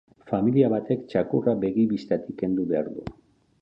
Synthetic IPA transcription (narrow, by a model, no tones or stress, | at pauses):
familiaβat̪e̞kt͡ʃakurabe̞ɣiβist̪at̪ike̞nd̪uβe̞aɾðṵ